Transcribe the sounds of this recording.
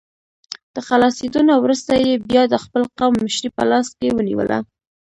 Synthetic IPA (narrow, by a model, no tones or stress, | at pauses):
d̪̥əxalɑsed̪unawɾəst̪ajebjɑd̪əxpəlqamːɪʃɾipə̰lɑs̚kewənḭwə̰lʔa̰